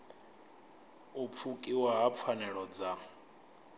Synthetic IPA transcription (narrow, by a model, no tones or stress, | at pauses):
up̪fʰukʼiwaɦap̪fʰanɛɺɔd͡za